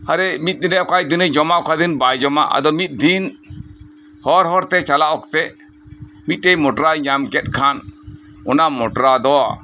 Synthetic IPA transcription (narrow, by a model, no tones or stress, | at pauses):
aɾɛmit̪̚ˀd̪inɛʔɔkajd̪inəd͡ʒɔmaʔɔkʰad̪inbajd͡ʒɔma̰ʔa̰d̪ɔmit̪̚ˀd̪in | hɔɾɦɔɾt̪ɛt͡ʃalaʔɔkt̪ɛ | mit̪̚ˀʈejmɔʈɔɾaɲamkɛt̪̚kʰan | ɔnamɔʈɔɾad̪ɔa̰